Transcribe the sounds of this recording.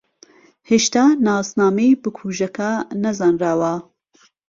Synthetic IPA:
heʃt̪aːnaːznaːmejbɨkʰuːʒɐkanɐzɑːnraːwɐ

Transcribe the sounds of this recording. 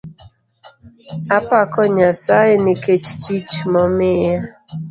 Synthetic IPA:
apakɔɲasaɪniket͡ʃt͡ʃit͡ʃmɔmɪja

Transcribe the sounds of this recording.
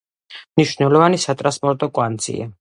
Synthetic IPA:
mniʃvnɛlˠɔvanisat̪ʼɾaspʼɔɾt̪ʼɔkʼwant̪sʰʼḭa̰

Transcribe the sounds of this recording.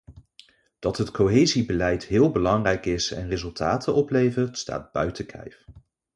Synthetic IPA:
d̥ɑtɦətkoɦejzibəlɛjtɦɪːlˠbəlɑŋrɛjkɪsɛ̰nrɪzɵlˠtaːtʰəʔɔplejvəɹtsta̰ːd̚b̥œ̰ɥtəkʰɛ̰jf

